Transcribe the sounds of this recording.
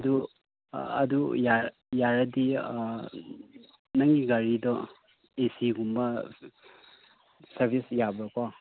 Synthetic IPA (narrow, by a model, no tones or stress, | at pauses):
ɐdu | ɐ̰duja | jaɾɐdi | nɐŋiɡaɾidɔ | esiɡumbɐ | sɐɾbʱisjabɾaka